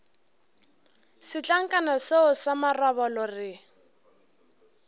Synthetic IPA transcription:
sɪt͡ɬʼaŋ̩kʼanaseʊsamaraβɔlɔrɪ

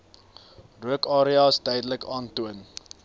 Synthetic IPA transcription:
ruəkɑːɾiɑːstɛjdələkɑːntuən

